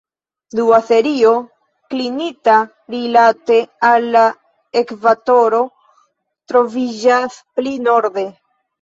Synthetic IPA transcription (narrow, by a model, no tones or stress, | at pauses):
duafe̞ɾio̞ | klinita | ɾilate̞alːa | ekvato̞ɾo̞ | tɾo̞vid͡ʒasplino̞ɾde̞